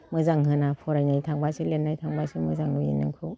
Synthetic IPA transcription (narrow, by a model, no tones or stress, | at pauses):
mɯzaŋɦɯnapʰɔɾajnajtʰaŋbasilenːajtʰaŋbasimɯzaŋnujḭnːɯ̰ŋkʰɯw